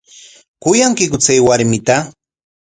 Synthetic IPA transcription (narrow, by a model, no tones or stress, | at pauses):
kʊjaŋkɪkʊt͡sajwaɾmɪt̪a